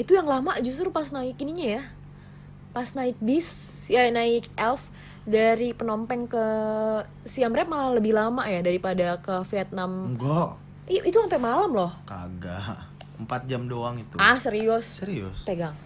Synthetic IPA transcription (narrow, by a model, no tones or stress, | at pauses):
it̪ujaŋlamaʔd͡ʒus̬t̪ɾupasnaɪkiniɲaja | pasnaɪt̪̚bis | anaɪkɛlf | daɾipənɔmpɛŋkə | siambɾɛp̚malaləbɪhlamaʔjadaɾipadakəfiat̪̚namɡɔʔ | ʔit̪uampɛmalamlɔhka̰ɡa | əmpat̪̚d͡ʒamdoaŋit̪uasəɾiussəɾiʊ̰speɡaŋ